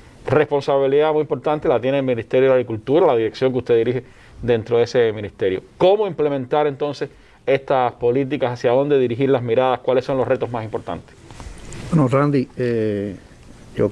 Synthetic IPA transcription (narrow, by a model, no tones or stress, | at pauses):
re̞spõ̞nsaβiliðamujimpo̞ɾt̪ãnt̪elat̪je̞neːlmĩnist̪eɾjoeaɣɾikult̪uɾalaðiɾeksjo̞ŋk̬ust̪eðiɾihe | ðe̞nt̪ɾo̞ðe̞se̞mĩnist̪e̞ɾjo̰ko̞moimple̞mẽnt̪aɾe̞nt̪o̞nse̞s | e̞st̪aspo̞lit̪̬ikasasjaðo̞nd̪e̞ðiɾiɦiɾlasmiɾaðaskwalesːo̞nlosre̞t̪o̞ɦmasimpo̞ɾt̪a̰nt̪e̥sbwenorand̪ie | jo